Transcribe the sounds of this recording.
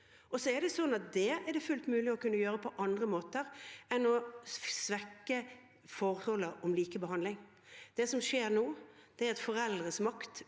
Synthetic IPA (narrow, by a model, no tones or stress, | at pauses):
ʔɔsɔɛd̪ɛsɔnːɑt̪̚d̪ɛɛɖ̪ɛfʉlt̪mʉːlɪɔkʉnːəjøːɾəpʰɔʔɑnd̪ʁəmoːt̪əɾɛnɔsʋɛkːə | fɔɾhɔləɔmliːkəbəɦɑnd̪lɪŋ | d̪̥ɛsɔmʂeːɾnoːd̪̥ɛæɾɑt̪fɔɾɛld̪ʁəsmɑkt̪